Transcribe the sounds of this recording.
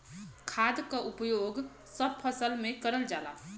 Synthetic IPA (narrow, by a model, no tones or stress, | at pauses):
kʰaːd̪kaʔʊpjoːɡ | səb̚pʰəsəlmẽkəɾəld͡ʒaːla̰ː